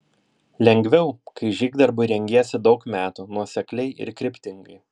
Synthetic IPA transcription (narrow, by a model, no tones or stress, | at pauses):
lʲɛŋʲɡʲʋʲɛʊkɐɪʒʲiːɡd̪ɐɾbʊɪɾʲɛŋʲɡʲeːɛsʲɪd̪ɒʊkmʲæːt̪uːnuɔsʲɛklʲɛɪɪ̰ɾkʲɾʲɪpʲt̪ʲɪŋɡɐɪ